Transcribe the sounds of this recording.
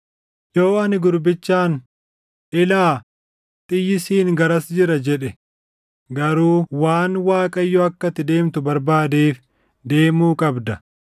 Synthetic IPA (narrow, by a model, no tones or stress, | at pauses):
joːɐnɪɡʊɾbɪt͡ʃːaːn | ʔɪlaː | t̪ʼɪjːɪsiːŋɡɐɾɐsd͡ʒɪɾɐd͡ʒɛᶑɛ | ɡɐɾuːwaːnwaːkʼɐjːɔɐkːɐt̪ːɪd̪e̞ːmt̪ʊbɐɾbaːd̪eːf | d̪e̞ːmuːkʼɐbd̪ɐ